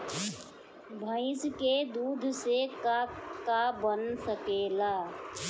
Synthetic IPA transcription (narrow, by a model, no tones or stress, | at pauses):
bʱə̃ɪ̃sked̪uːd̪ʱsekakabənsəkeːlaː